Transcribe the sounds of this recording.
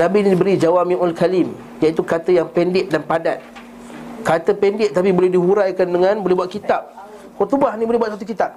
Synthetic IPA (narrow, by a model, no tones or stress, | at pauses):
nãbinidibəɾid͡ʒawamiʔalkalim | jait̪ukat̪əjaŋpɛndɪʔ̚danpadat̪̚ | kat̪əpɛndɪʔ̚t̪apibolɛhdiɦuɾajkandəŋãnbolɛhbuat̪̚kit̪ap̚ | hɔt̪ubahnibolɛhbuwat̪sat̪ukit̪ap̚